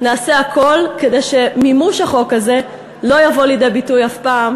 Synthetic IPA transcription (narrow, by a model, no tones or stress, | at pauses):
naːse̞akʰo̞lke̞dejʃe̞mimuʃaχo̞kaze̞ | lo̞javo̞lid̪e̞jbitujafpaːm